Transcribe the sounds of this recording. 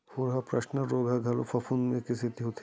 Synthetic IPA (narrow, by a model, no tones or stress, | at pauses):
hoɾɦɐpɾɐʃnəɾoːɡʱaɡʱɐlofʰɐfʰunmẽkisit̪iɦot̪ʰ